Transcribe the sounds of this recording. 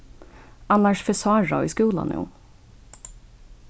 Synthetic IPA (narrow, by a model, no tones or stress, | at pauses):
ɑnɑʃfɛsɑːɹɑ̰ḭːskuːlɑ̰njṵː